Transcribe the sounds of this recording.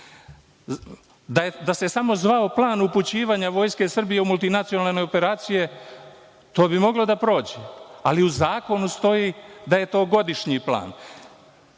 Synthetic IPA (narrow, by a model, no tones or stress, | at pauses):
d̪ad̪ase̞samo̞zʋao̞plˠaːnuput͡ɕiːʋaːɲaʋo̞ːjske̞sr̩bijeumulˠt̪inat̪ijo̞nalne̞jo̞pe̞ɾaːt̪sije̞ | t̪o̞ːbimo̞ɡlod̪apɾo̞ːd͡ʑealiuzaːko̞nust̪o̞jid̪aje̞t̪o̞ːɡo̞d̪iʃɲipla̰ːn